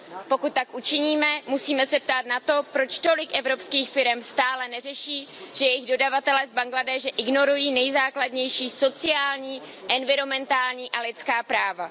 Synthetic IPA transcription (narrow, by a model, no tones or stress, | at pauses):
pokut̪̚t̪ːakʔut͡ʃɪɲiːmɛmusiːmɛsɛp̚t̪aːt̪nat̪o̞pɾo̞t͡ʃt̪o̞lɪkʔɛvɾo̞pskiːxfɪɾɛmst̪aːlɛnɛrɛʃiːʒ̥ɛjɛjɪɣdo̞davat̪ɛlɛzbaŋɡladɛːʒɛʔɪɡno̞ɾujiːnɛjzaːkladɲɛjʃiːso̞t͡sɪaːlɲiː | ʔɛnvɪɾo̞mɛnt̪aːlɲiːʔalɪtt͡skaːpɾaːva